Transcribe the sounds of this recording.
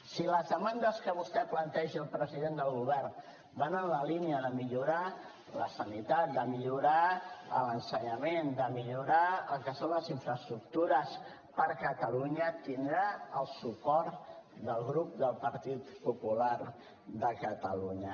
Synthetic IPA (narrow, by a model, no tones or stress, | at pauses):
siləzðəmand̪əskəβust̪ɛplənt̪ɛʒiəlˠpɾəziðend̪əlˠɣuβ̞ɛrn | banənləliniəðəmiʎuɾa | lə̰sənit̪at̪̚d̪əmiʎuɾaə̰lənsəɲəmend̪əmiʎuɾaəlˠkəsonləziɱfɾəst̪ɾuk̚t̪uɾəs | pəɾkət̪əluɲət̪ind̪ɾaəlˠsupɔɾt̪d̪əlˠɣɾup̚d̪əlˠpəɾt̪it̪pupulaɾ | ðəkət̪əluɲə